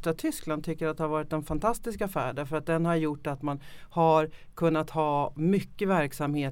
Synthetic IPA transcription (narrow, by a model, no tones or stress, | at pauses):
t̪ɾat̪ʰʏskland̪t̪ʰʏkːəɾat̪d̪ɛhaɾvɑːɾɪt̪d̪ɛnfant̪ʰast̪ɪskafæ̰ːɖæɾfəɾat̪̚d̪ɛnhaɾjʊʈːat̪manhaɾkʰɵnːat̪hɑːmʏkːəvæɾksamheː